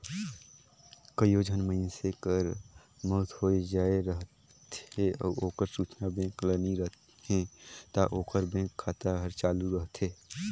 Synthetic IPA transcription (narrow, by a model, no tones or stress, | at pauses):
kəjoːd͡ʒʱənməɪnsekəɾ | mɔːt̪ɦoːed͡ʒaːeɾəɦt̪eɔ̰ːɾoːkəɾsuːt͡ʃnabẽːkləniɾəɦt̪ | ẽt̪aʔoːkəɾbẽːkʰːaːt̪aɦəɾt͡ʃaːluɾəɦt̪ɦeː